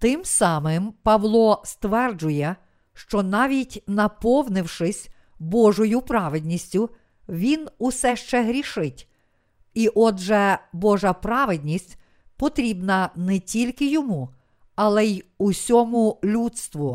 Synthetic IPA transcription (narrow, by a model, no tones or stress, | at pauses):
t̪ɪmsɑmɪmpɐʋlˠɔst̪ʋɛrd͡ʒʊjɛ | ʃt͡ʃɔnɑʋʲitʲnɐpɔwnɪwʃɪsʲ | bɔʒɔjʊpɾɑʋɪd̪ʲnʲisʲtʲʊ | ʋʲinʊsɛʃt͡ʃɛɦɾʲiʃɪtʲ | iʔɔd̪ʒɛbɔʒɐpɾɑʋɪd̪ʲnʲisʲtʲ | pɔt̪ɾʲibnɐnɛtʲilʲkɪjɔmu | ɐlˠɛjusʲɔmʊlʲut̪st̪ʋʊ